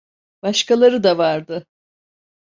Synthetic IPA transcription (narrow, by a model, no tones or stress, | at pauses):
b̥aʃkalˠaɾɯd̪avaɾd̪ɯ